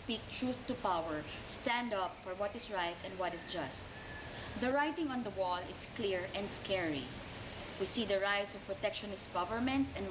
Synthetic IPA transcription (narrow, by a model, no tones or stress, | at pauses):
pik̚t̪ɹuθt̪upawɛɹ | st̪æ̃nd̪ʌpfɔɹwʌt̪ɪsɹaɪt̪ɛ̃nwʌtɪsd͡ʒʌst̪̚ | ðəɹajt̪ɪ̃ŋɔ̃nd̪əwɔlɪskliɹɛ̃ndskɛɹḭ | wisiːðəɹajsɔv̥pɹɔt̪ɛkʃɔnɪst̚ɡ̥ʌvəɹmɛ̃nt̪sɛ̃n